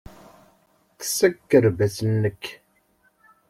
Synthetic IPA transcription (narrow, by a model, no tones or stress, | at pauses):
θə̥sækːəɾvæsənːəkː